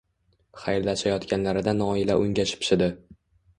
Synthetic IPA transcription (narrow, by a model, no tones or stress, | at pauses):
χajɾlaʃajɒt̪kʲanlaɾɪd̪anɒɪlaʔʊŋʲaʃɪ̥pʃɪd̪ɪ